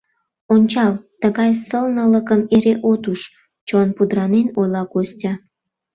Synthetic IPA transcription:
onʲt͡ɕɑlt̪əɣɑjsəlnələkəmeɾeʔot̪uʃ | t͡ɕonpud̪ɾɑnenojlɑkosʲtʲɑ

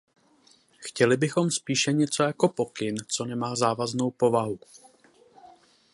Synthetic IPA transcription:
xcɛlɪbɪxo̞mspiːʃɛɲɛt͡so̞jako̞po̞kɪnt͡so̞nɛmaːzaːvazno̞wpo̞vaɦu

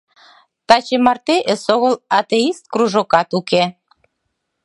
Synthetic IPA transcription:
t̪ɑt͡ɕemɑrt̪eʔəsoɣəlɑt̪eist̪̚kruʒokɑt̪uke

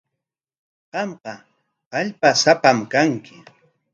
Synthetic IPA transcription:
ɢɑmqɑ | aʎpasapamkaŋkɪ

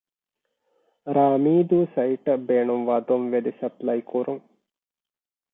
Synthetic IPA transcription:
ɾaːmiːd̪usɐjʈbeːɳumʋad̪omʋed̪isɐplɐjkuɾum

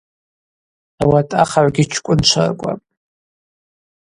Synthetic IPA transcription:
awatʼaχaʕʷɡʲit͡ʃʷʰkʷʼʊnt͡ʃʷʰa̰rkʷʼa̰pʼ

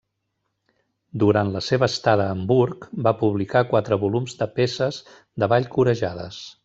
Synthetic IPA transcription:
d̪uɾant̪ləseβəːst̪aðəːmbuɾkbapuβlikakwat̪ɾəβulumzd̪əpesəz | d̪əβaʎkuɾəʒaðə̰s

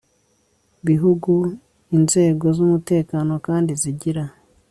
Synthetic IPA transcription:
βiɦuɡu | inze̞ːɡo̞zumute̞ːkaːno̞kaːndiziɟiɾa

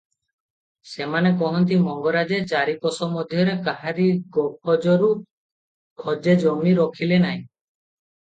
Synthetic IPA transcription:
semanekɔɦɔnt̪imɔŋɡɔɾad͡ʒet͡ʃaɾikɔsɔmɔd̪ʱjɔɾekaɦaɾiɡɔpʰɔd͡ʒɔɾu | ɡʰʱɔd͡ʒed͡ʒɔmiɾɔkʰilenaɦĩ

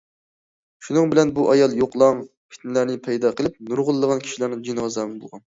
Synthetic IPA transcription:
ʃunɨŋbɪlɛnbuʔɑjɑlˠjoqlˠɑŋ | pʰɪ̥t̪nɪlæɾnɪpʰɛjd̪ɑqʰəlˠɪp̚nuɾʁʊlˠːəʁɑnkʰʲi̥ʃilæɾnɨŋd͡ʒinʁɑzæmɪnbo̰lˠʁɑn

